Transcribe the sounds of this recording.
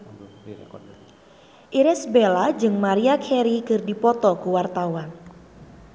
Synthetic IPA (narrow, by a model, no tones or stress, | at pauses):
ʔiɾɛsbelad͡ʒɨŋmaɾiakʰɛɾikɨrdipɔt̪ɔkuwart̪awan